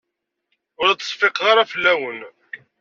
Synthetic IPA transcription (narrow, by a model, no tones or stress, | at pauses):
ʊɾæt͡s̪ːə̥sˤfeqʁaɾafəlːæwən